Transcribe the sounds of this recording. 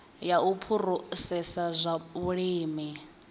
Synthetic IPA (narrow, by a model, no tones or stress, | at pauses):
jaupʰuɾusɛsazʷaβuɺiːmi